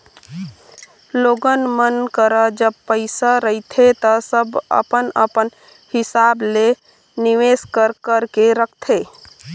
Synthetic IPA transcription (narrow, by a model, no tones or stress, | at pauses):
loɡənmənkəɾəd͡ʒəb̚pəɪsaɾəit̪ʰet̪əsəbə̰pənə̰pən | hɪsable | niʋeskəɾkəɾkeɾək̚ʰt̪ʰe